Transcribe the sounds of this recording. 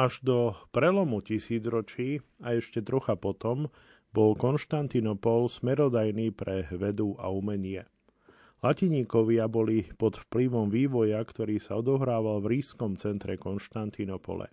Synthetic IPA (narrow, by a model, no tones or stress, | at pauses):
aʒd̪ɔpɾɛlɔmucisiːd͡zɾɔt͡ʃiːaɛʃcɛt̪ɾɔxapɔt̪ɔm | bɔlkɔnʃt̪ant̪inɔpɔlsmɛɾɔd̪ajniːpɾɛʋɛd̪ua̰umɛɲɪɛ | laciɲiːkɔʋɪabɔlipɔt̪fpliʋɔmʋiːʋɔjakt̪ɔɾiːsaɔd̪ɔɦɾaːʋalʋɾiːskɔmt͡sɛnt̪ɾɛkɔnʃt̪ant̪inɔpɔ̰lɛ̰